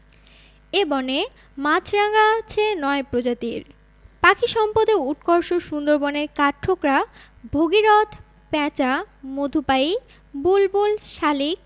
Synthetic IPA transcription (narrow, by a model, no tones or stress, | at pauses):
ebɔne | mat͡ɕʰɾaɡat͡ɕʰenɔepɾod͡ʑat̪iɾ | pakʰiʃɔmpod̪euʈkɔɾʃoʃund̪oɾbɔneɾkaɾʈʰːokɾa | bʱoɡiɾɔt̪ʰ | pɛ̃t͡ɕamod̪ʱupaj | bulbolʃalik